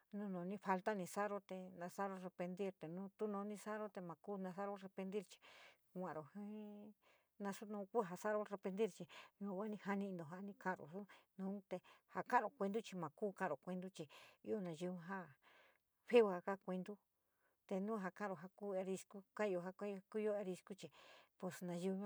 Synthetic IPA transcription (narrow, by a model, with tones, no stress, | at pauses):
nũ˦nõ˨˧nĩ˦˧fa˧lt̪a˦nĩ˧sa˦ɾo˦t̪e˧nã˧sa˦ɾo˧re˧pe˧nd̪i˦ɾt̪e˨nũː˦t̪u˦nõː˧˦nĩ˦˧sa˦ɾo˦t̪e˧mã˨ku˦nã˧sa˦ɾo˦re˧pe˧nd̪i˦ɾt͡ʃi̥˧ | kʷã˨˧ɾo˨hĩ˦ | nã˧su˦nũ˧ku˦ɦa˧sa˦ɾo˧re˧pẽ˧nd̪i˦ɾt͡ʃi˧ɲũ˧˨˧kʷa˦nĩ˧ha˧nĩ˧nd̪o˨ɦa˧˦nĩ˧kã˧˨ɾo̰˨su˦nũː˨˦t̪e˧ha˧kã˦ɾo˨kʷe˧nd̪u˦t͡ʃi˧mã˨kuː˦kã˦˨ɾo˨kʷe˧nd̪u˦t͡ʃi˧i˦o˧nã˨˧ji˧˦ɦa˦ | ɸe˦u˧a˧ka˦kʷe˧nd̪u˦ | t̪e˧nũː˦ɦa˧kã˦˨ɾo˨ɦa˧ku˦e˧ɾi˧sku˦kã˦˧o˧ɦa˧kku˦˧jo˦e˧ɾi˧sku˦t͡ʃi˧po˧snã˧ʒi˧˦